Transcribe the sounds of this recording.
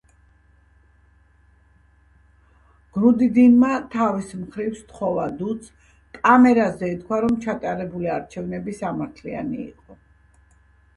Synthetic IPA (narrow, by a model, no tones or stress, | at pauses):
ɡ̥ɾud̪id̪inmat̪ʰavismχɾifst̪χɔvad̪ut̪sʰ | kʼamɛɾazɛit̪̚kʰwaɾɔmt͡ʃʰat̪ʼaɾɛbuliaɾt͡ʃʰɛvnɛbisamaɾt̪ʰlia̰niḭqʼɔ